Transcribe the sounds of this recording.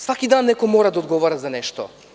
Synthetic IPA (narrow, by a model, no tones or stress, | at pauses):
svakid̪anːɛkɔjmɔɾad̪aɔd̪ɡɔvaɾazanɛʃt̪ɔ